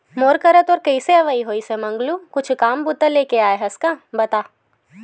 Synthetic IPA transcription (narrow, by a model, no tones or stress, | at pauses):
moːɾkəɾət̪ɔːɾkɐiseɐʋaːiɦoːisemɐ̃ŋɡlukʊt͡ʃʰkaːmbʊt̪əleːkeaːeɦɐskãbɐt̪aː